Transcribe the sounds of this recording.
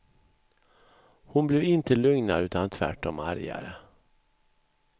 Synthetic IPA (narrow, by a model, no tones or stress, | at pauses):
hʊnblɛvɪnt̪əlɵŋnaɾʉ̟ːt̪ant̪ʰvæ̰ʈɔmaɾja̰ɾə